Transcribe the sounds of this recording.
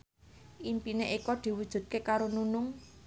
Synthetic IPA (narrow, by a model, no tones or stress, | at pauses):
ʔimpineʔikɔd̪̥i̤wud̥ʒ̥ṳd̪̚kekaɾonunʊŋ